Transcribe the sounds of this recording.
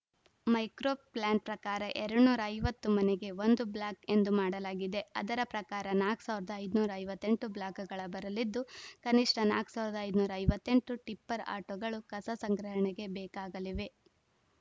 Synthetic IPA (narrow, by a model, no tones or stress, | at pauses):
mɐjkɾoːplaːɳʈpɾɐkaːɾɐʔɛɾɐɽnuːɾɐːjʋɐt̪ːumɐneɡe̞ʋo̞nd̪ublaːke̞nd̪umaːɽɐlaːɡid̪e̞ɐ̰d̪ɐɾɐpɾɐkaːɾɐnaːksaːʋɾɐd̪ɐɐjd̪unuːɾɐːjʋɐt̪ːe̞ɳʈublaːkɐɡɐɭɐbɐɾɐlid̪ːukɐniʂʈɐnaːksaːʋɾd̪ɐɐjd̪nuːɾɐːjʋɐt̪ːe̞ɳʈuʈipːɐɾa̰ːʈoːɡɐɭukɐsɐsɐŋɡɾɐɦɐɳɛɡe̞bɛːkaːɡɐliʋe̞